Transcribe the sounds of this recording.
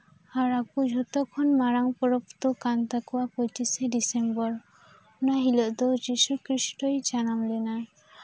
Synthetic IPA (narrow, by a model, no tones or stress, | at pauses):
aɾakud͡ʒʱɔt̪ɔkʰɔnmaɾaŋpɔɾɔpt̪okant̪akɔwapɔt͡ʃiseɖisembɔɾ | naɦilɔʔd̪ɔd͡ʒisukɾisʈɔjd͡ʒanamlena